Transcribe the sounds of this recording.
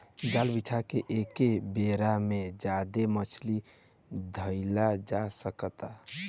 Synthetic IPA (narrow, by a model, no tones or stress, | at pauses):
d͡ʒalbit͡ʃʰakeʔekebeɾamed͡ʒad̪emət͡ʃʰli | d̪ʱəɪlad͡ʒasəkət̪a